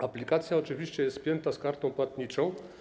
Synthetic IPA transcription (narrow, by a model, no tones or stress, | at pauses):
aplʲikat̪sʲjaɔt͡ʂɘvʲiɕt͡ɕɛjɛst̪pʲjɛnt̪askaɾt̪ɔ̃w̃pwat̪ɲit͡ʂɔ̃w̃